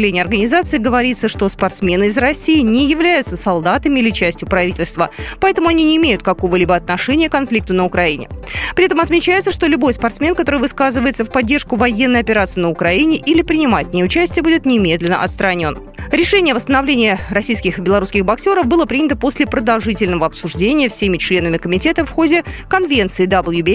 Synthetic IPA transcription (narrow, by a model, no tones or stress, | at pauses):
lʲenʲɪjəɐrɡənʲɪzat̪sɨɪɡəvɐɾʲit̪səʂt̪o̞spɐrt̪smʲe̞nɨɪzrɐsʲijɪnʲɪjɪvlʲæjʊt̪səsɐlˠd̪at̪əmʲɪilʲɪt͡ɕæsʲtʲjʊpɾɐvʲitʲɪlʲst̪vəpɐɛt̪əmʊɐnʲinʲɪːmʲejʊt̪̚kɐko̞vəlʲibəɐt̪̚nɐʂɛnʲɪjəkɐnflʲik̚t̪ənəʊkɾɐinʲɪ̰pɾʲɪɛt̪əmɐt̪mʲɪt͡ɕæjɪt̪səʂt̪olʲʊbo̞jspɐrt̪smʲenkɐt̪o̞ɾɨvɨskazɨvəjɪt̪səfpɐdʲːerʂkʊvɐjenːəjɐpʲɪɾat̪sɨɪnəʊkɾɐinʲɪʔilʲɪpɾʲɪnʲɪmaɪt̪ʲnʲɪjʊt͡ɕæsʲtʲɪjəbudʲɪt̪nʲɪmʲe̞d̪lʲɪnə̰ʔɐ̰t̪st̪ɾɐnʲo̞̰n | ɾʲɪʂɛnʲɪjəvəst̪ənɐvlʲenʲɪjərɐsʲijskʲɪxɨbʲɪlˠɐɾuskʲɪxbɐksʲoɾəfbɨlˠəpɾʲinʲɪt̪əpo̞sʲlʲɪpɾəd̪ɐlˠʐɨtʲɪlʲnəvəɐpsʊʐdʲenʲɪjəfsʲemʲɪt͡ɕlʲe̞nəmʲɪkəmʲɪtʲe̞t̪əfxodʲɪkɐnvʲe̞nt̪sɨːd̪ɐbɨlˠjubʲe